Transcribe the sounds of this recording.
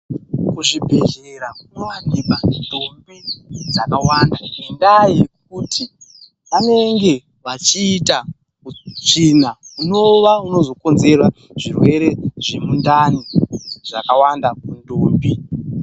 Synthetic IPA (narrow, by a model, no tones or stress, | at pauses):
kuʐibʱe̞ʒeɾakunowanikandʱombid͡zakawandanendajek̚uti | ʋane̞ŋɡe̞ | ʋat͡ʃiːta | kut͡ʂinauno̞ʋauno̞zo̞ko̞nze̞rwaʐirwe̞ɾe̞ʐe̞mundaniʐ̥akawandak̚undoːmbi